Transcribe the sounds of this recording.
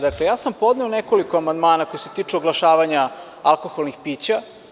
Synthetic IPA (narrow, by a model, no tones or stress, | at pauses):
d̪akle̞jaːsampo̞d̪neonekoliko̞amand̪maːnako̞jose̞̥t̪iːt͡ʂuoɡlaʃaːʋaɲa | alˠko̞xolˠnixpiːt͡ɕa